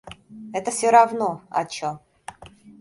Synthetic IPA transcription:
ɛt̪əfsʲoɾavnoɐ̰t͡ɕo

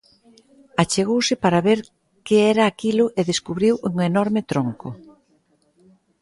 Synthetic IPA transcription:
at͡ʃeɣowsɪpaɾaβeɾ | keɛɾɐːkilʊʔeðeskuβɾiwʔuŋenɔɾmɪt̪ɾoŋkʊ

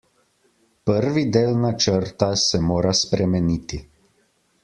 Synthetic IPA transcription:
pəɾʋid̪eːlnat͡ʃəɾt̪asɛmoːɾaspɾɛmɛniːt̪i

